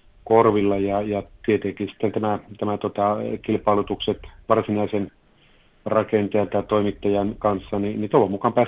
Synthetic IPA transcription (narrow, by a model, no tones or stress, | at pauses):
korʋilːɑjɑjɑt̪iet̪eŋkisi̥t̪ːent̪æmæt̪æmæt̪ot̪ɑkilpɑilut̪ukset̪ʋɑrsinɑisen | rɑkent̪ejɑt̪ɑt̪oimit̪ːɑjɑnkɑnsːɑninit̪olʋɑmukɑmpæːs